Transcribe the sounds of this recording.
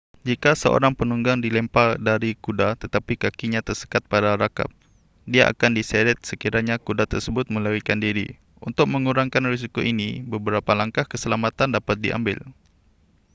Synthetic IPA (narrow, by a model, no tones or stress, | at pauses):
d͡ʒikasəʔo̰ɾaŋpənuŋɡaŋdilɛmpadaɾikudat̪ət̪apikakiɲãt̪ərsə̥kat̪̚padaɾaka̰p̚ | diaʔa̰kandisɛɾɛt̪̚səkiɾaɲakudat̪ərsəbʊt̪̚mə̃ləɾikandiɾḭ | ṵnt̪ʊk̚məŋuɾaŋkanris̬ikoʔinibəbəɾapalaŋkahkəsəlamat̪andapat̪̚dḭʔa̰mbɪ̰l